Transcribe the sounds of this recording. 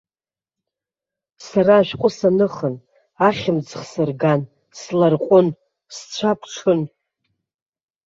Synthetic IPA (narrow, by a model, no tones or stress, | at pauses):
saɾaːʃᶣqʷʼʊsanɨχən | aχʲɪmd͡zχsɨrɡan | slarqʷʼʊn | st͡ɕʷʰapʰʈ͡ʂʰɨn